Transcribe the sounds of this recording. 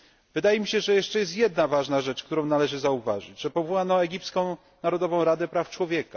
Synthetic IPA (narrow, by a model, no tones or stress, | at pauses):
vɘd̪ajɛmʲiɕɛʐɛjɛʂt͡ʂɛjɛst̪jɛd̪navaʐnaʐɛt͡ʂk̚t̪uɾɔ̃w̃nalɛʐɘzauva̰ʐɘd͡ʑʐɛpɔvuwanɔɛɡʲipskɔ̃w̃ | naɾɔd̪ɔvɔ̃w̃ɾad̪ɛpɾaft͡ʂwɔvʲjɛka